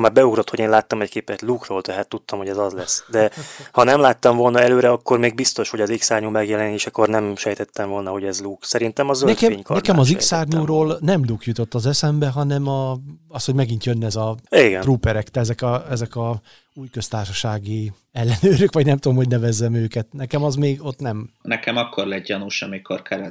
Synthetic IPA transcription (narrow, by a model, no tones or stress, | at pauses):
maːrbɛuɡɾot̪ho̞ɟeːnlaːt̪ːɒmɛckeːpɛt̪lukroːlt̪ɛɦaːt̪ːut̪ːɒmho̞ɟɛzɒzlɛsd̪ɛhɒnɛmlaːt̪ːɒɱvo̞lnɒɛløːɾɛɒkːormeːɡ̚bist̪o̞ʃho̞ɟɒziksaːrɲuːmɛɡjɛlɛneːʃɛkːornɛmʃɛjt̪ɛt̪ːɛɱvo̞lnɒho̞ɟɛzluksɛɾint̪ɛmɒzønɛkɛeːɲkɒnɛkɛmɒiksaːrɲuːɾoːlnɛmlukjut̪o̞t̪ːɒzɛsɛmbɛɦɒnɛmɒɒst̪ho̞ɟmɛɡint̪jø̞nːɛzɒeːɡɛ̰nruːpɛɾɛkt̪ɛɛzɛkɒɛzɛkɒ | uːjkø̞st̪aːrʃɒʃaːɡi | ɛlːɛnøːɾøkʋɒɟnɛmt̪ud̪omho̞ɟnɛvɛzːɛmøːkɛt̪nɛkɛmɒzmeːɡo̞t̪nɛmnɛkɛmɒkːorlɛɟjɒnuʃɒmikorkɛɾɛ